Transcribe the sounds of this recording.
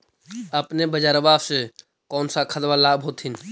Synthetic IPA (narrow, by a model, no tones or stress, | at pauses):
əpnebəd͡ʒaːɾbaːse | kɔːnsakʰət̪ʋalaːbʱɦoːt̪ʰɪn